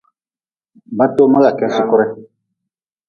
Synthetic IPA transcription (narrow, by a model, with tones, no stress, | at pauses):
ba˦to˦mã˦ka˨kɛ˦su˦kʊ˦ɾɛ˦